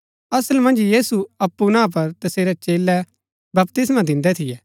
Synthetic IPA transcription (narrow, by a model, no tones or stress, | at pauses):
ɐsəlmɐ̃nd͡ʒjiːsuɐpːunãːp̬ɐɾt̪ɐseːɾɛt͡ʃeːlːɛ | bɐpt̪ɪs̬mad̪ɪ̃nd̪ɛt̪ʰɪjɛː